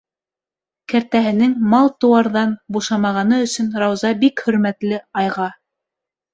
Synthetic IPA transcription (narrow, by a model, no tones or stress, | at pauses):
kæɾt̪æɦɘ̆nɘŋmɑlˠt̪ɤ̆wɑɾðɑnbuʃɑmɑʁɑnɤɵ̆sɵ̆nɾɑwzɑbikhɵ̆ɾmæt̪lɘɑjʁɑ